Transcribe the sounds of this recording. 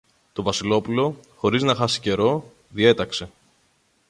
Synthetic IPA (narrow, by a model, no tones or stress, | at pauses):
t̪o̞vɐsilo̞pulo̞xo̞ɾiznɐxɐsi̥ce̞ɾo̞ | ðie̞t̪ɐkse̞